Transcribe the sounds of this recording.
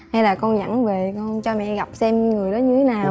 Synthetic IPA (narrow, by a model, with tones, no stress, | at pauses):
ha˧jlaː˨˩kɔ˧nza̰˧˥ŋve˨˩kɔ˧nt͡ɕɔ˧mɛ̰˧˨ɣa˨˩p̚sɛ˧m˧ŋɨ˨˩əjɗɔ˨˦ɲɨ˧t̪ʰe˨˦naː˨˩